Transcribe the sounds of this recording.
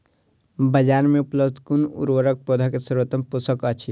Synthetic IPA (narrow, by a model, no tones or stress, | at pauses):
bəd͡ʒaːɾmẽupləbd̪ʱkunṵɾʋəɾək̚poːd̪ʱakesəɾət̪əmpusəkət͡ʃʰi